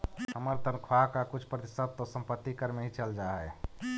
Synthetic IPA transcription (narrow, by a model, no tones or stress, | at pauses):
həməɾt̪ənkʰwakakʊt͡ʃʰpɾət̪isəd̪̚t̪osə̃mpət̪ːikəɾmeɦit͡ʃəld͡ʒaɦɛ̰